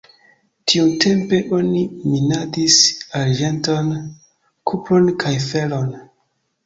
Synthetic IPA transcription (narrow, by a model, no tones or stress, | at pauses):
tʰiute̞mpe̞ʔo̞niminadisaɾd͡ʒe̞nto̞n | kʰuplo̞nkʰajfe̞lo̞n